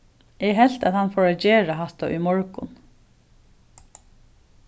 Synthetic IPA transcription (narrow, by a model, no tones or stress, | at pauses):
ɛɦɛl̥t̪aðhanfɔːɹat͡ʃeːɹaɦat̪aʔʏ̰mɔɹkʊ̰n